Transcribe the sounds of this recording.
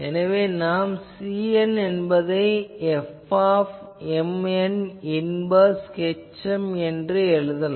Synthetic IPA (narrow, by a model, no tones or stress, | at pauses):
ɛnɐʋeːnaːmsiːɛnɛnbɐðɐɪɛfaːf | ɛmɛnɪnbɐskɛt͡ʃːɐmɛndrɯɛɻɯðɐl